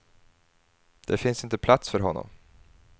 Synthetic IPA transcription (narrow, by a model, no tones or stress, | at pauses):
d̪̥ɛfɪnsɪnt̪əpʰlat̪sfœɾɦɔnːɔ̰m